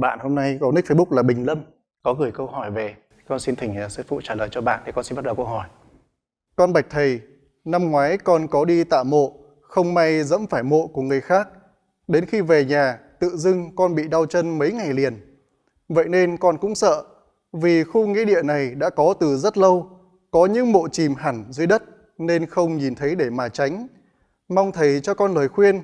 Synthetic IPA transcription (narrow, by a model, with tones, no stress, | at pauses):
ɓa̰ː˧˨nho˧mna˧jkɔ˨˦nɨ˦˥k̚fe˨˦ʊ˦˥k̚laː˨˩ɓï˨˩ŋ̟lə˧m | kɔ˨˦ɣɨ˨˩əjkə˧wɦɔ˧˩jve˨˩ | kɔ˧nsi˧nt̪ʰï˨˩ŋaː˨˩sɨ̰˧˥fṵ˧˨t͡ɕaː˧˩ləː˨˩jt͡ɕɔ˧ɓa̰ː˧˨nt̪ʰi˨˩kɔ˧nsi˧nɓ̚ɗə˨˩kə˧wɦɔ˧˩j | kɔ˧nɓa˨˩jk̟̚t̪ʰə˨˩j | na˧mŋwaː˨˦jkɔ˧nkɔ˨˦ɗi˧t̪a̰ː˧˨mo̰˧˨ | xə˧wŋ͡mma˧jzə̰˧˥mfaː˧˩jmo̰˧˨ku˧˩əŋɨ˨˩əjxaː˦˥k̚ | ɗe˨˦nxi˧ve˨˩ɲaː˨˩t̪ɨ̰˧˨zɨ˧ŋkɔ˧nɓḭ˧˨ɗa˧wt͡ɕə˧nmə˨˦jŋa˨˩jli˨˩ən | və̰˧˨jne˧nkɔ˧nkʊ̰˧˥ŋ͡msə̰ː˧˨ | vi˨˩xu˧ŋḭ˧˥ɗḭ˧˨əna˨˩jɗa̰ː˧˥kɔ˨˦t̪ɨ˨˩zə˦˥t̚lə˧w | kɔ˨˦ɲɨ̰˧˥ŋmo̰˧˨t͡ɕi˨˩mɦa˧˩nzəː˨˦jɗə˦˥t̚ | ne˧nxə˧wŋ͡mɲi˨˩nt̪ʰə˨˦jɗe˧˩maː˨˩t͡ɕa˨˦jŋ̟ | ma˧wŋ͡mt̪ʰə˨˩jt͡ɕɔ˧kɔ˧nləː˨˩jxwi˧ən